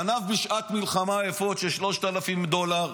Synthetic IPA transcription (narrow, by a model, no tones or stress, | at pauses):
anafbiʃʔat̪milχamaefot̪ʃeʃlo̞ʃt̪alafimd̪o̞laʁ